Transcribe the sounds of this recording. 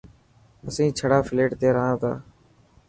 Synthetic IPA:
əsĩːt͡ʃʰəɽaːfɪleːʈt̪eːɾəɦãːt̪ʰa̰ː

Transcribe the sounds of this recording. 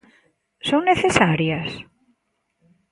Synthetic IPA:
soŋneθesaɾjas

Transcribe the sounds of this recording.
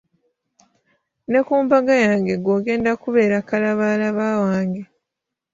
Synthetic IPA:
ne̞kuːmbaɡajaːŋɡe̞ɡwoɡe̞ːndakuβe̞ːɾakalaβaːlaβaːwaːŋɡe

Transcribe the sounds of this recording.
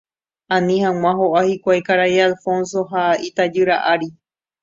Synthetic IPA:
ãnĩhãŋ̃ãɦoʔahikʷajkaɾaialfõ̞ns̬o̞ɦait̪ad͡ʒɨɾaʔaɾi

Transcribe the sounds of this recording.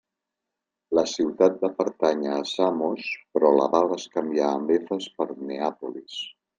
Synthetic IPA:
ləsiwt̪at̪̚d̪əpəɾt̪aɲəːsamospɾɔlə̰βaləskəmbiaːmbefəspəɾneapulis

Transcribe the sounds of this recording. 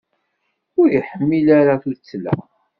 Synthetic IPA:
ʊɾjəħəmːilaɾaθuɾt͡sːlæ̰

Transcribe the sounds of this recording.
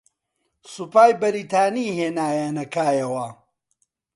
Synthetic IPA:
supaːjbɐɾiːt̪ʰaːniːɦeːnaːjanɐkʰaːjɐwɐ

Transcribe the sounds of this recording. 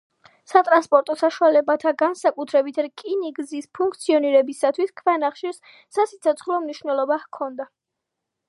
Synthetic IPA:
sat̪ʼɾanspʼɔɾt̪ʼɔsaʃualɛbat̪ʰaɡansakʼut̪ʰɾɛbit̪ʰkʼiniɡzispʰuŋk̚ʰt̪sʰiɔniɾɛbisat̪ʰwiskʰvɛnaχʃis | sasit̪sʰɔt̪sʰχlˠɔmniʃvnɛlˠɔbahkʰɔnd̪a

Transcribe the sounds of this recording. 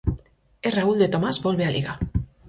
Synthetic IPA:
erauld̪et̪o̞mazbo̞lβealḭɣa

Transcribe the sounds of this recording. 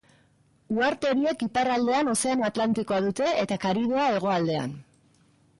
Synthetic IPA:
uaɾt̪e̞ɾie̞kiparald̪e̞ano̞se̞anat̪lant̪iko̞aðut̪e̞et̪akaɾið̞oae̞ɣ̞o̞ald̪e̞a̰n

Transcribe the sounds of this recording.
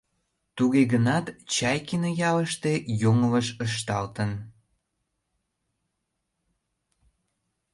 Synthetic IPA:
t̪uɣeɣənɑt̪t͡ɕɑjkinojɑləʃt̪ejoŋələʃəʃ̬t̪ɑlt̪ən

